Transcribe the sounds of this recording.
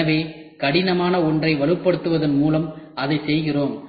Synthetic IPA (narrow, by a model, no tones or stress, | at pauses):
ɐʋeː | kɐɽɪnɐmaːnɐɔndrɐɪʋɐɭɯpːɐɽɯt̪ːɯʋɐðɐnmuːlɐmɐðɐɪsɛjɣɪroːm